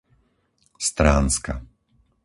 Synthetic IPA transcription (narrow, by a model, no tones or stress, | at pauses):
st̪ɾaːnska